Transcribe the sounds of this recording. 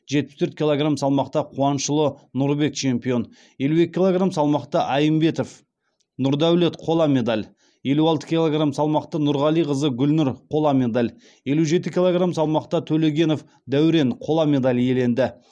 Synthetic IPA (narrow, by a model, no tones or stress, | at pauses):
ʒet̪̚pɪ̥st̪ʰɵɾt̪̚kʲilˠoɡramsɑlˠmɑqt̪ɑqʰuɑnʃəlˠənʊɾbe̞k̚t͡ʃʰe̞mpijo̞n | je̞lue̞kʲɪkʰʲːilˠoɡramsɑlˠmɑqt̪əʔɑjəmbe̞t̪o̞f | nʊɾd̪æwle̞t̪qʰo̞lˠɑme̞d̪alʲ | je̞luɑlˠt̪ə̥kʲilˠoɡramsɑlˠmɑqt̪ənʊɾʁɑlˠijqəzəɡʲʏlnʏɾqʰo̞lˠɑmʲe̞d̪alʲ | je̞luʒe̞t̪ɪkʲilˠoɡramsɑlˠmɑqt̪ɑt̪ʰɵle̞ɡʲe̞no̞f | d̪æwɾe̞nqʰo̞lˠame̞d̪alʲje̞le̞nd̪ɪ